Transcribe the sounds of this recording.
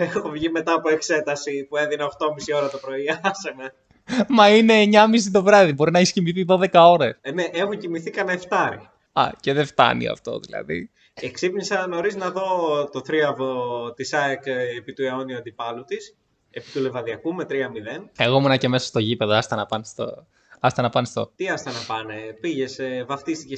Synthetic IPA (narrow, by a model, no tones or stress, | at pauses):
exovʝime̞t̪ɐːpo̞ekse̞t̪ɐsipue̞ðinɐoxt̪o̞misio̞ɾɐt̪opɾo̞iɐseme | mɐine̞ɲɐmis̬it̪o̞vɾɐðibo̞ɾinɐeçiscimiθiðo̞ðe̞kɐo̞ɾesne̞ʔexucimiθikɐnɐeft̪ɐɾḭ | ɐ̰ce̞ðeft̪ɐ̰nḭɐ̰ft̪o̞̰ðḭlɐ̰ðḭ | eksipnisɐno̞ɾiznɐðo̞t̪oθɾiɐvot̪isɐekepit̪ue̞o̞niuɐnd̪ipɐlut̪is | e̞pit̪ule̞vɐðiɐkumet̪ɾiɐmiðe̞neɣo̞munɐceme̞sɐ̥st̪o̞ʝipe̞ðoɐst̪ɐnɐpɐnst̪o̰ | ɐst̪ɐnɐpɐnest̪o̞̰t̪iɐst̪ɐnɐpɐnepiʝesvɐft̪ist̪ice